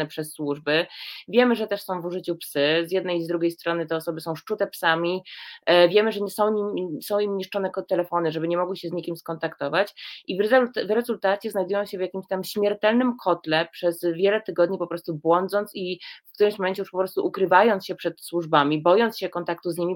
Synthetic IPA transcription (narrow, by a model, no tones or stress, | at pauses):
ɛpʂɛsːwuʐbɘvʲjɛmɘʐɛt̪ɛʂsɔ̃w̃vuʐɘt͡ɕupsɘzʲjɛd̪̚nɛjzd̪ɾuɡʲejst̪ɾɔnɘt̪ɛɔsɔbɘsɔ̃w̃ʂt͡ʂut̪ɛpsamʲi | vʲjɛmɘʐɛɲɛsɔ̃w̃ɲisɔ̃w̃imɲiʂt͡ʂɔnɛkɔt̪ɛlɛfɔnɘʐɛbɘɲɛmɔɡwɘɕɛzɲikʲimskɔnt̪akt̪ɔvat͡ɕʔivztvɾɛzult̪at̪sʲɛznajd̪ujɔ̃w̃ɕɛvjakʲimɕt̪amɕmʲjɛɾt̪ɛlnɘmkʰɔt̪lɛpʂɛzvʲjɛlɛt̪ɘɡɔd̪̚ɲipɔpɾɔst̪ubwɔnd̪zɔnt̪sifkt̪uɾɘmɕmɔmɛnɲt͡ɕɛjuʂpɔpɾɔst̪uʔukɾɘvajɔntsɕɛpʂɛt̪swuʐbamʲibɔjɔntsɕɛkɔnt̪akt̪uzɲimʲi